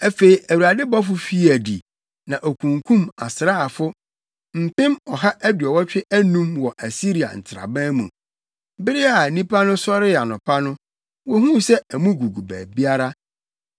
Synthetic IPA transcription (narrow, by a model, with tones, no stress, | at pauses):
æ˦fe˨i˨ʔæ˨wu˨ɾa˨dɪ˦bɔ˦fʊ˦fi˦æ˨di˨ | nã˨ʔɔ˨kʰũ˨ŋkʰũ˦ma̰˨sɾa˦˨fʊ˦ | m̩˨pɪ̃˦mɔ˨ɦa˦ʔæ˦dɥɔ˨wɔ˦t͡ɕᶣɪ˦ʔæ˦nũ˦mwɔ˨ʔæ˨si˦ɾi˨a̰˨n̩˨tʰɪ˨ɾa̰˨bã˦mṵ̃˨ | bɪ˦ɾɪ˦a˨nĩ˦pʰa˦nʊ̃˦sɔ˦ɾɪ˦a˨nʊ̃˨pʰa˦nʊ̃˦ | wɔ˦ɦũ˦sɛ˦æ˨mũ˦ɡu˨ɡu˨bæ̰ː˨bi˦a˦ɾa˦